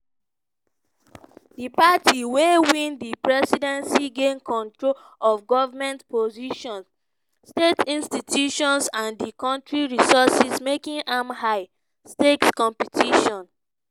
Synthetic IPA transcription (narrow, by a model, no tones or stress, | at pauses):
dipatʰiwewĩndipɹɛsidɛ̃nsiɡẽnkɔ̃ntɹo | ɔfɡɔvamɛ̃ntpoziʃɔ̃n | stetĩnstitʰjuʃɔ̃nsãndikɔ̃ntɹiɹisɔsismekĩŋʔamhaɪ | stetskɔ̃mpitʰiʃɔ̃n